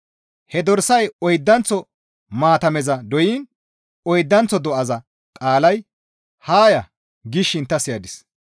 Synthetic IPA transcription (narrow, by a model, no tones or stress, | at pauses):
hɛd̪ɔɾsɐjɔjd̪ːɐnt͡sːɔ | maːt̪ɐmɛzɐd̪ɔjiːn | ɔjd̪ːɐnt͡sɔd̪ɔʔɐzɐ | kʼaːlɐj | haːjɐ | ɡɪʃːɪnt̪ːɐsɪjɐd̪ɪs